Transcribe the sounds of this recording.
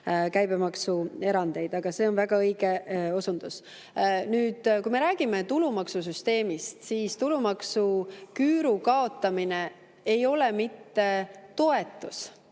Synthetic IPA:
kæjb̥e̞mɑksue̞ɾɑnd̪̥e̞jd̪ɑɡ̥ɑse̞ːo̞nvæɡ̥ɑɤjɡ̥e̞o̞sund̪̥us | nyːd̪̥kujme̞ɾæːɡ̥ime̞t̪ulumɑksusyst̪e̞ːmist̪siːst̪ulumɑksukyːɾukɑo̞t̪ːˑɑmine̞ | ejo̞lemit̪ːe̞t̪o̞e̞t̪ːˑus

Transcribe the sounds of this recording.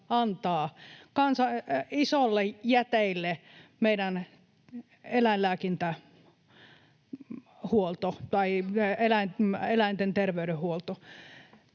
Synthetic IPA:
ɑnt̪ɑːkɑnsɑisolːejæt̪eilːemeidæn | elæillæːkint̪æ | huolt̪ot̪ɑielæinelæint̪ent̪erʋeyɾehhuolt̪o

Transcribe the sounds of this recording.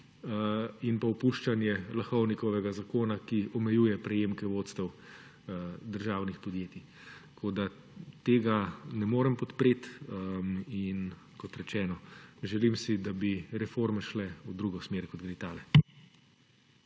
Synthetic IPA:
inpaɔpuʃt͡ʃanjɛlaxɔwnikɔʋɛɡazakoːnakiɔmɛjuːjɛpɾɛjeːmkɛʋoːt̪st̪ɛw | d̪əɾʒaːwnixpɔd̪jeːt̪i | t̪kʰoːd̪a | t̪eːɡanɛmoːɾɛmpɔt̪pɾeːt̪ | in | kɔt̪ɾɛt͡ʃɛːnɔʒɛlimsid̪abiɾɛfoɾmɛʃlɛud̪ɾuːɡɔsmeːɾkɔt̪̚ɡɾit̪aːlɛ

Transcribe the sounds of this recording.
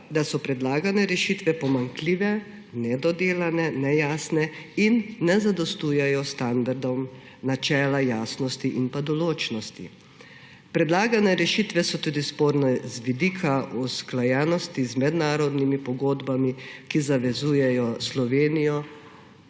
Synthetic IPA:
d̪asɔpɾɛd̪laːɡanɛɾɛʃiːt̪ʋɛpɔmaŋkliːʋɛ | nɛd̪ɔd̪eːlanɛnɛjaːsnɛinːɛzad̪ɔst̪uːjɛjɔst̪and̪aɾd̪ɔm | nat͡ʃɛːlajaːsnɔst̪iʔinpad̪ɔloːt͡ʃnɔst̪ḭ | pɾɛd̪laːɡanɛɾɛʃiːt̪ʋɛsɔt̪uːd̪ispoːɾnɛzʋid̪iːkʰaʔusklajɛːnɔst̪izmɛd̪naːɾɔd̪nimipɔɡoːd̪bamikizaʋɛzuːjɛjɔslɔʋeːnijɔ

